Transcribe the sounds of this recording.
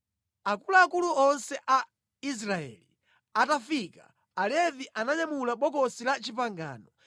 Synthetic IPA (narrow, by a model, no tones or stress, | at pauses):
akulaːkuluɔnsɛʔa | is̬ɾaɛ̰li | atafikaː | lɛviʔanaɲamulaɓɔkɔsilat͡ʃip̬aŋɡa̰ːnɔ